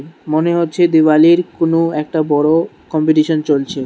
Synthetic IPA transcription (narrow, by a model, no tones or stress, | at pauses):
moneɦotːɕʰed̪iʋaliɾkonoɛk̚ʈabɔɽo | kɔmpiʈiʃont͡ɕolt͡ɕʰe